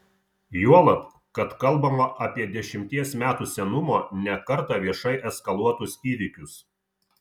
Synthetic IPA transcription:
juɔlˠɐp̪ | kɐt̪kɐlˠbɐmɐʔɐpʲiɛd̪ʲɛʃʲɪmʲt̪ʲiɛsmʲæːt̪uːsʲɛnʊmoːnʲɛkɐɾt̪ɐʋʲiɛʃɐɪʔɛskɐlˠuɔt̪ʊsiːʋʲɪkʲʊs

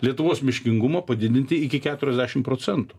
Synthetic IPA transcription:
lʲiɛt̪ʊʋoːsmʲɪʃʲkʲɪŋɡʊmɐpɐd̪ʲɪd̪ʲɪnʲt̪ʲɪɪkʲɪkʲæːt̪ʊɾʲɛzʲd̪ʲæːʃʲɪmpɾoːt͡s̪ʲɛnt̪ʊ̥

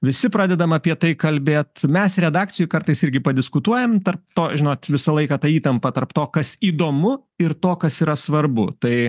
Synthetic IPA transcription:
ʋʲɪsʲɪpɾɑːd̪ʲɛd̪ɐmɐpʲiɛt̪ɐɪkɐlʲbʲeːt̪mʲɛsɾʲɛd̪ɑːkt͡ssʲɪjʊkɐrt̪ɐɪsɪɾʲɡʲɪpɐd̪ʲɪskʊt̪uɔjɛmt̪ɐrp̚t̪oːʒʲɪnoːt̪ʋʲɪsɐlˠɐɪkɐːt̪ɐiːt̪ɐmpɐt̪ɐrpt̪oːkɐsiːd̪oːmʊ | ɪɾt̪oːkɐsiːɾɐsʋɐɾbʊt̪ɐɪ

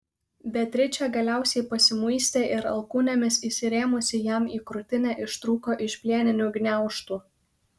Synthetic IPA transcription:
bʲɛt̪ʲɾʲɪt͡ʃʲɛˑɡɐlʲæˑʊsʲɛɪpɐsʲɪmʊɪsʲt̪ʲeʔɪɾɐ̰lˠkuːnʲɛmʲɪsisʲɪɾʲeːmʊsʲɪjæmiːkɾʊt̪ʲɪnʲæʔɪʃt̪ɾuːkoːʔɪʃʲpʲlʲiɛnʲɪnʲuɡnʲæˑʊʃt̪uː

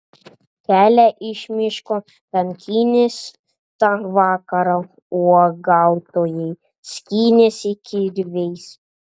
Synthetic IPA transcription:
kʲæːlʲæʔɪʃʲmʲɪʃko | pʲɛŋʲkʲʰiːnʲɪs | t̪ɑʋɑːkɐɾɐ | uɔɡɑˑʊt̪oːjɛɪ | sʲkʲiːnʲɪsɪkʲɪɾʲʋʲɛɪs

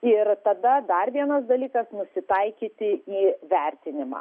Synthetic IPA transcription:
ɪɾt̪ɐd̪ɐd̪ɐrʋʲiɛnɐsd̪ɐlʲiːkɐsnʊsʲɪt̪ɐɪkʲiːt̪ʲɪiːʋʲɛɾʲt̪ʲɪnʲɪmɑ̰ː

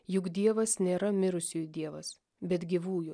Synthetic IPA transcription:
jʊkd̪ʲiɛʋɐsnʲeːɾɐmʲɪɾʊsʲuːjd̪ʲiɛʋɐ̰s | bʲɛt̪ɡʲiʋuːjʊ

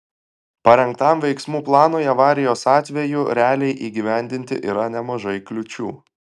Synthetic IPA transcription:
pɐɾʲɛŋk̚t̪ɐmʋʲɛɪksmuːplˠɑːnojɐʋɑːɾʲɪjoːsɑːt̪ʲʋʲɛjʊɾʲæːlʲɛɪʔiːɡʲiʋʲæˑnʲd̪ʲɪnʲt̪ʲɪ̰ʔiːɾɐnʲɛmɐʒɐɪklʲʊt͡ʃʲuː

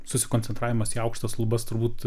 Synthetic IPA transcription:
sʊsʲɪkonʲt͡sʲɛnt̪ɾɑːʋʲɪmɐsiːɐʊkʃt̪ɐslˠʊbɐst̪ʊɾbuːt̪

